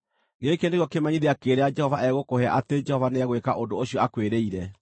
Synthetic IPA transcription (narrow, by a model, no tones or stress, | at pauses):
ŋɡekendeɣjɔkemaɲiðeakeɾead͡ʒɛhɔvaʔɛɣokohea̰ʔated͡ʒɛhɔvaneɣwekaʔondooɕijɔakweɾeiɾɛ